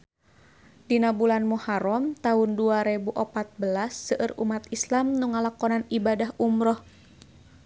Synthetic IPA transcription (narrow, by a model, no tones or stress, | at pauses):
dinabulanmuhaɾɔmt̪aunduaɾebuʔɔpat̪̚bəlasːəʔərṵmat̪islamnuŋalakɔnanibadahumɾɔh